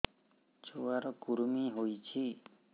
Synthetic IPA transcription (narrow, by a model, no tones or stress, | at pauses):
t͡ʃowaɾɔkuɾumiɦojt͡ʃʰi